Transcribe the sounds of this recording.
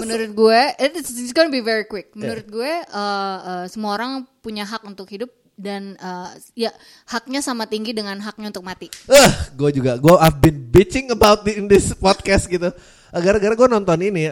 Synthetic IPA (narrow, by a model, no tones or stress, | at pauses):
mənuɾʊt̪̚ɡuɛɛtɪsɪsɡonəbivɛɾikwɪk̚mənuɾʊt̪̚ɡuɛəəsəmuaoɾaŋpuɲaɦak̚unt̪ʊkhidʊp̚ | danəː | ja | hak̚ɲasamat̪iŋɡidəŋanɦak̚ɲaunt̪ʊk̚mat̪iəhɡuɛd͡ʒuɡaɡuaafbɪnbit͡ʃɪŋəbawt̪̚dndɪspɔd̪̚kɛst̪̚ɡit̪u | ʔəɡaɾaɡaɾaɡuɛnɔnt̪ɔnini